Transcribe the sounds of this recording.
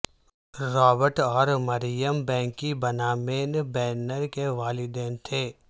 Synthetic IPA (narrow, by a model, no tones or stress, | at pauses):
ɾɔːbəɾʈɔːɾmɐɾɪjəmbɛ̃ːŋkːibɐnaːmeːnbɛːnəɾkeʋaːlid̪ɛ̃ːnt̪ʰeː